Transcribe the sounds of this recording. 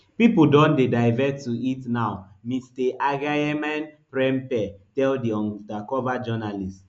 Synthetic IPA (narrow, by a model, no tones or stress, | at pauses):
pipudɔ̃ndedaɪvɛtːuitnaʊ | mistɛʔaɡajɛmãnpɹɛ̃mpɛtɛldiɔ̃dakɔvad͡ʒɔnalist